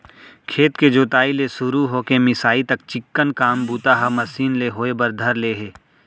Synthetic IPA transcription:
kʰeːt̪ked͡ʒoːt̪aːilesʊɾuɦoːkemɪsaːit̪ɐk̚t͡ʃɪkːənkaːmbuːt̪aɦamɐsiːnleɦoːebɐɾd̪ʱɐɾleːɦeː

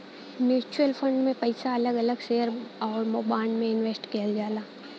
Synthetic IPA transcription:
mjuːt͡ʃuəlpʰə̃ɳɖmẽpɐɪsaɐləɡɐləɡʃeːəɾɔːɾmoːbaːɪlmẽɪnʋeːsʈkijəld͡ʒaːlaː

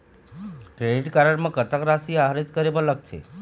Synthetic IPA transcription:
kɾeɖiʈkaɾəɽmãkət̪akɾasiaɦɾit̪kəɾebələk̚t̪ʰḛ

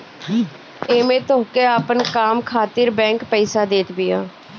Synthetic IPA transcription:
eːmẽːt̪oːkeːaːpənkaːmkʰaːt̪ɪɾbɛ̃ːŋkpɛːsaːd̪eːʈ̪bɪjãː

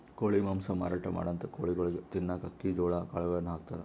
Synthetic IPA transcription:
koːɭimɐmsɐma̰ːɾaːʈɐma̰ːɽɐnt̪ɐkoːɭiɡɐɭɐɡet̪inːakɐkːid͡ʒoːɭakaːɭɐʋɐɾɐnɦaːk̚t̪aːɾe

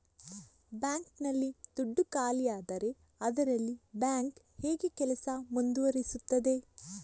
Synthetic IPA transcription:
bjaːŋknɐlːid̪̥uɖːukaːlijaːd̪ɐɾe̞ | ɐd̪ɐɾɐlːibjaːŋk | heːɡekɛlɐsɐmund̪uʋɐɾisut̪ːɐd̪e̞

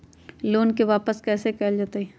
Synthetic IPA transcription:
loːnkeʋaːpəskɛːsekɛːld͡ʒaːt̪ai

